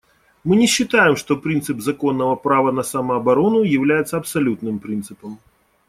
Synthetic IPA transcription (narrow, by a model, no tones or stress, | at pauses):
mɨnʲɛɕːɨt̪ajɛmʂt̪ɔpɾint̪sɨbzakɔnːɐvɐpɾavɐnɐsamɐːbaɾɔnujawlʲajɛt̪sɐɐpsalʲut̪nɨmpɾint̪sɨpɐm